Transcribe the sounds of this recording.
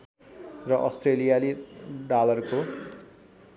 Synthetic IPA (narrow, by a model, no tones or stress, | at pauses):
rʌʔʌsʈrelijaliɖalʌrko